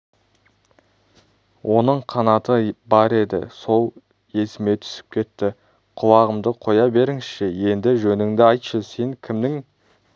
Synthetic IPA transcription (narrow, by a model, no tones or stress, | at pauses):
wʔo̞nəɴqʰɑnɑt̪əbɑɾe̞d̪ɪ̰so̞lˠ | je̞sɪme̞t̪ʰʏ̥sɪ̥p̚kʲʰe̞t̪ːɪ | qʰʊwɑʁəmd̪əqʰo̞jɑbe̞ɾɪŋsʃɪje̞nd̪ɪʒɵnɪŋd̪ɪɑjt̪ʃəse̞ŋkʲʰɪmnɪŋ